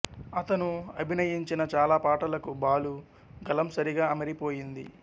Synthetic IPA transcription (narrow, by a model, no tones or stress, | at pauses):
ɐt̪ɐnuɐbʱinɐjiɲt͡ʃinɐt͡ʃaːlaːpaːʈɐlɐkubaːlu | ɡɐlɐmsɐɾiɡaːɐmɐɾipo̞ːjind̪ḭ